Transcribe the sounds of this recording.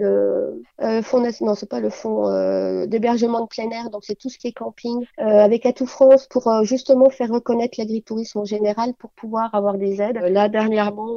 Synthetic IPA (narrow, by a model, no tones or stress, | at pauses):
lə | ləfɔ̃d̪ɛsnɔ̃sɛpaləfɔ̃ø̰d̪ebɛʁʒəmɑ̃d̪əplɛnɛʁd̪ɔ̃ksɛt̪usə̥kʲiɛkɑ̃piŋøavɛkat̪ufχɑ̃spʰuʁøʒyst̪əmɑ̃fɛʁːəkɔnɛt̪χlaɡʁit̪uʁismɑ̃ʒeneʁalpuʁpʰuvwaʁavwaʁd̪ezɛd̪lad̪ɛʁnjɛʁmɑ̃